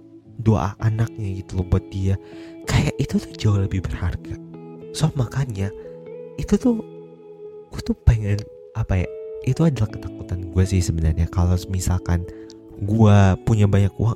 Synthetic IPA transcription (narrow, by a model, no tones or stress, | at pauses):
dua̰ʔanak̚ɲaɡit̪ulubat̪̚diakajaʔit̪ut̪ʊ̥hd͡ʒaoləbɪhbərharɡasuap̚makanɲa | it̪ut̪ʊh | ut̪upəŋən | ʔapaja̰ʔit̪uadalahkət̪akut̪anɡuasɪhsəbənarɲakalamisalkan | ɡuapuɲabaɲakṵaŋ